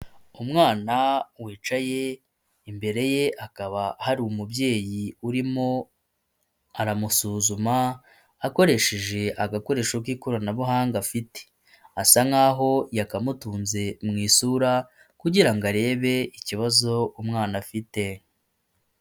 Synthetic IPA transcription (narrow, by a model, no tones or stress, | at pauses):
umŋaːnawiːt͡ʃaje̞ | imbe̞ɾe̞je̞ʔakaβahaɾiumubɟe̞ːjiuɾimo̞ | aɾamusuːzumaː | ko̞ɾe̞ʃe̞ʒe̞ʔaɡako̞ɾe̞ːʃokwiːkoɾanaβuɦaːŋɡafite̥ | asaŋaːɦo̞jakamutuːnze̞mŋiːsuɾa | kuɟiɾaŋɡaɾe̞ːβe̞iciβazo̞umŋaːnafite̞